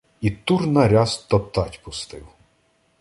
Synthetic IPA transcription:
it̪urnɐɾʲɑst̪ɔpt̪ɑtʲpʊst̪ɪw

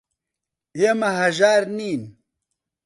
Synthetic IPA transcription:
emɐɦɐʒaːɾniːn

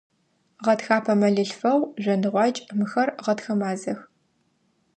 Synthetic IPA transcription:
ʁɐtxaːpʰɐmɐɮɨɬfɐwʒʷɐnɨʁʷɑːt͡ʃʼmɨxɐrʁɐtxɐmaːzɐx

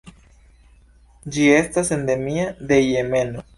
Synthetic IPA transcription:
d͡ʒie̞stase̞nd̪e̞miaðe̞jeme̞no

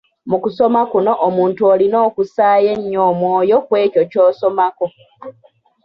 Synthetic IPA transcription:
mukuso̞makuno̞ʔːmuːntuoːlino̞ːkusaːje̞ɲːoːmwoːjo̞kwe̞ːco̞coːso̞mako̞

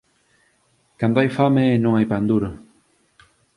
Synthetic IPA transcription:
kand̪oajfamenõŋajpand̪uɾo

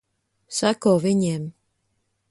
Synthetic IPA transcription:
sakovɪɲɛm

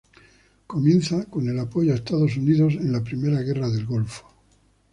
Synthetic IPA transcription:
ko̞mje̞n̟θako̞ne̞lapo̞ʝoaest̪aðo̞s̬uniðo̞se̞nlapɾime̞ɾaɣe̞raðe̞lɣo̞lfo̥

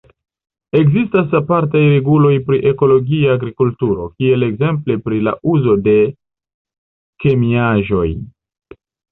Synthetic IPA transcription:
e̞kzistas̬apaɾt̬ajɾe̞ɡulo̞jpɾiʔe̞ko̞lo̞ɡiaːɡɾikultuɾo̞̰kie̞le̞ɡze̞mple̞pɾila̰ʔuzo̞de̞ | ke̞miaʒo̞j

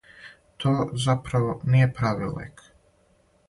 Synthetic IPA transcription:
t̪ʰoːzapɾaʋonijepɾaʋḭlḛk

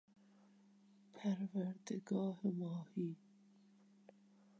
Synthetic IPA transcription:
pʰæɾvæɾd̪eɡɑːhemɑːhiː

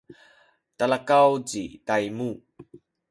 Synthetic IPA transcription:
talakawd͡ʑitajmu

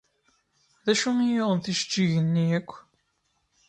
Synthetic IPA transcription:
ðæʃumijoðˤənθiʃə̥t͡ʃːiʝənːiækʷː

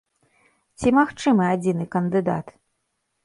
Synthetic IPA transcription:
t͡sʲimaxt͡ʂɨmɨad͡zʲinɨkɐnd̪ɨd̪a̰t̪

